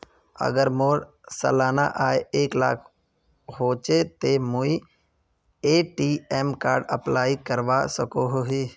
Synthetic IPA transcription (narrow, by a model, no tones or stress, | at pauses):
ə̰ɡəɾmoːɾ | sə̰laːna̰ʔaːeeːkla̰ːkʰ | ɦoːt͡ʃet̪emui | eːʈiːeːmkaːɾɖə̰plaːikəɾʋaːsəkoɦoɦiː